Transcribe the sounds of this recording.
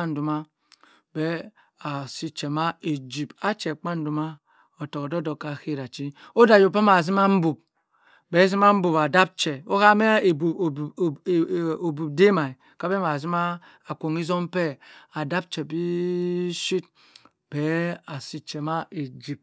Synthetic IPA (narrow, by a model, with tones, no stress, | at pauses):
a˦n̩˨du˨ma˦ | be˦ | a˨si˦t͡ʃe˨ma˦e˨d͡ʒi˨pa˦t͡ʃe˨k͡pa˦n˦du˨ma˦ | o˨to˨ko˨do˦do˨ka˨ki˦˨ɾa˨t͡ʃi˦o˦da˨jo˨pe˦ma˨zi˦ma˦m̩˦bu˨b̚ | be˨˦zi˦ma˦m̩˦bu˨pa˨da˦p̚t͡ʃe˨o˦ka˦me˦˨bu˨o˨bu˨b̚de˦ma˨i˨ | ka˦be˦ma˨zi˦ma˦ | a˨kʷo˨ŋi˦zo˦m˦pe˦a˨da˦p̚t͡ʃe˨bi˦ | ʃi˦t̚ | b̥e˦a˨si˦t͡ʃe˨ma˦e˨d͡ʒi˨p̚